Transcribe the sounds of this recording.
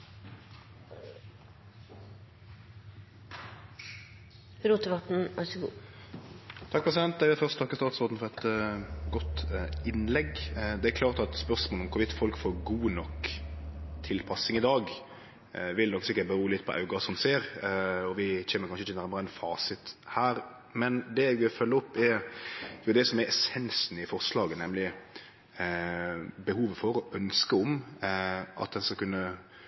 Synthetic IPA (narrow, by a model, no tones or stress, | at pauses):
ɾuːt̪əʋɑt̪n̩ɑsəɡṵː | t̪ʰɑk̚pɾɛs̬ɪd̪ɛnt̪d̪æɪʋɪlfœʁst̪ʰɑkːəst̪ɑːt̪sɔːd̪n̩fɔʁɛt̪ɡɔt̪ɪnlɛɡd̪ɛækʰlɑːʁt̪ɑt̪spœʁsmoːlɔmkʰʊɾʋɪt̪ːfɔlkfoːɾɡuːnɔk | t̪ʰɪlpʰɑsɪŋɪd̪ɑːɡ | ʋɪlnɔksɪkːəʈ̚bəɾuːlɪt̪ːpʰɔʔɑ̰ʉɡɑsɔmseːɾɔʋɪçɛːməɾkʰɑnʃəɪçːənæɾməɾəɛnfɑːsɪt̪hæːɾ | mɛnd̪ɛɛɡʋɪlfœlːəɔpːɛɾjʊd̪ɛsɔmɛɾɛsɛnsnɪfɔɾslɑːɡənɛmlɪ | bəhuːʋəfɔɾɔœnskəɔm | ʔɑ̰t̪̚d̪ɛnskɑkʉnːə